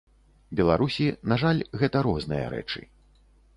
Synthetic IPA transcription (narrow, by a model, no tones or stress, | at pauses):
bʲɛlˠaɾusʲinaʐalʲɣɛt̪ɐɾɔznɨjɐ̰ɾɛ̰t͡ʂɨ̰